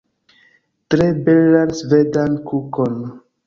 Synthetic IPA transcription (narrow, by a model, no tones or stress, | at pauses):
tɾebelansvedankukon